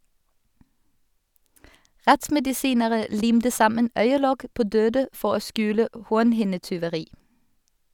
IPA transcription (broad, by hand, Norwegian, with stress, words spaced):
ˈʁɛtsmɛdɪˌsiːnəʁə ˈliːmtə ˈsɑmən ˈœʏəˌlɔk ˈpoː ˈdøːdə ˈfɔʁ ˈoː ˈskʉːlə ə ˈhuːʁnhɪnətʏʋəˌʁiː